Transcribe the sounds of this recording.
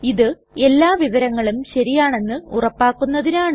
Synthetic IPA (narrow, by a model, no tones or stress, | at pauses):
iðɨ | e̞lːaːʋiʋɐɾɐŋːɐɭumɕɐɾijaːɳe̞nːɨurɐpːaːkːunːɐðinaːɳ